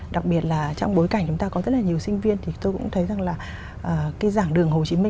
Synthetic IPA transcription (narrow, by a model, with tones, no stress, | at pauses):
ɗa˨˩k̚ɓi˨˩ət̚laː˨˩t͡ɕɔ˧wŋ͡mɓo˨˦jka˧˩jŋ̟t͡ɕʊ˨˦ŋ͡mt̪aː˧ɔ˨˦zə˦˥t̚laː˨˩ɲi˨˩əwsï˧ŋ̟vi˧ənt̪ʰi˨˩t̪o˧jkʊ̰˧˥ŋ͡mt̪ʰə˨˦jza˨˩ŋlaː˨˩ | ʔəː˨˩kaː˨˦jzaː˧˩ŋɗɨ˨˩əŋho˨˩t͡ɕi˨˦mï˧